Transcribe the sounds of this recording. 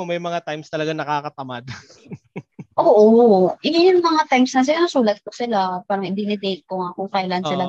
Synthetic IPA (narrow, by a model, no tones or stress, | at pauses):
ʊmɐjmɐŋat̪ajmst̪ɐlɐɡanɐkaːkɐt̪ɐmad̪ | ʔoːʔojŋjʊŋmɐŋat̪ajmsnɐs̬ɪlanɐsuːlɐt̪̚kosɪlapaːɾɐŋʔɪd̪inɪd̪ejt̪̚koŋɐkokajlɐʔansɪla